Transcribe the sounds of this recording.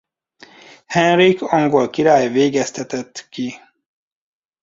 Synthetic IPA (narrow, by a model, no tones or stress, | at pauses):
hɛnɾikʰɒŋɡolkiɾaːjveːɡɛst̪ɛt̪ɛt̪ːki